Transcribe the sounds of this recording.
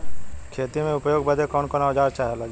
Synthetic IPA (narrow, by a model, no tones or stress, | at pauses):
kʰeːt̪imẽʊpjoːɡbəd̪ʱekɔːnkɔːnaʋd͡ʒaːɾt͡ʃaːɦela